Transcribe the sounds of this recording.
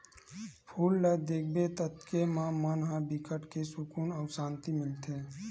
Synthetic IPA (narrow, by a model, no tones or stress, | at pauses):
pʰuːlːəd̪eːk̚ʰbet̪ət̪kemãmanɦãbikəʈkesʊkuːnɔːsãːnt̪imɪlt̪ʰeː